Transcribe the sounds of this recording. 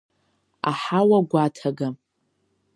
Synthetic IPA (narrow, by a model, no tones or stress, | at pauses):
a̰ħawaɡʷatʰaɡam